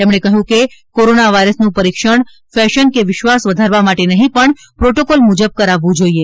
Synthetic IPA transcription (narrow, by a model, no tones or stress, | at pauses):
t̪emɳekəɦjũkekoɾonaʋaiɾəsnũpəɾikʃəɳ | fɛʃənkeʋɪʃʋasʋəd̪ʱaɾʋamaʈenəɦĩpəɳ | pɾoʈokolmud͡ʒəb̚kəɾaʋːũd͡ʒoie